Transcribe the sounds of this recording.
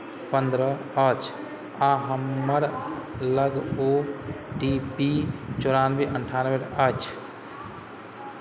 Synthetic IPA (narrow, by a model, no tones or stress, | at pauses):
pənd̪ɾə | ət͡ʃʰ | aɦəmːəɾləɡoɖipit͡ʃoɾanʋeʔəɳʈʰanʋeʈət͡ʃʰ